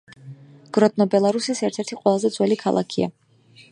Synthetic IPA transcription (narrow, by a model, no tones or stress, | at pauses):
ɡ̥ɾɔd̪̚nɔbɛlˠaɾusisɛɾt̪ʰɛɾt̪ʰiqʼwɛlˠazɛd̪zwɛlikʰalˠʔa̰kʰia̰